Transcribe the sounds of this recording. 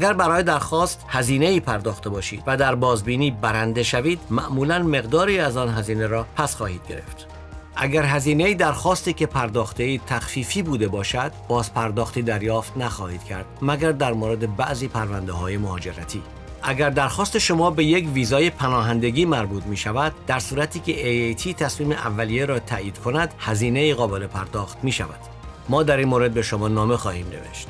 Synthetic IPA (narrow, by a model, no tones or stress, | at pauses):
ʔæɡæɾbæɾɒːjed̪æɾxɒːst̪hæziːneiːpʰæɾd̪ɒːxt̪e̞bɒːʃḭːd̪̥væd̪æɾbɒːzbiːniːbæɾænd̪e̞ʃæviːd̪mæʔmuːlænme̞ɣd̪ɒːɾiːæzɒːnɦæziːneɾɒːpʰæsxɒːhiːd̪̥̚ɡe̞ɾe̞̰ft̪ | ʔæɡæɾɦæziːne̞iːd̪æɾxɒːst̪iːce̞pʰæɾd̪ɒːxt̪e̞iːt̪ʰæxfiːfiːbuːd̪e̞bɒːʃæd̪̥b̥ɒːzpʰæɾd̪ɒːxt̪iːd̪æɾjɒːft̪næxɒːhiːd̪̥kʰæɾd̪̥mæɡæɾd̪æɾmoːɾe̞d̪e̞bæʔziːpʰæɾvænd̪eɦɒːje̞mohɒːd͡ʒe̞ɾæt̪ʰiː | ʔæɡæɾd̪æɾxɒːst̪e̞ʃo̞mɒːbe̞je̞cviːzɒːje̞pʰænɒːɦænd̪e̞ɡʲiːmæɾbuːt̪miːʃævæd̪̚ːæɾsuːɾæt̪ʰiːcʰe̞ʔejejt̪ʰiːt̪ʰæsmiːme̞ʔævːælijeɾɒːt̪ʰæʔjiːd̪̥kʰo̞næd̪̥hæziːne̞iːɣɒːbe̞lepʰæɾd̪ɒːxt̪miːʃæ̰væ̰d̪̥ | mɒːd̪æɾinmoɾe̞d̪̚be̞ʃomɒːnɒːmexɒːhiːmnevḛʃt̪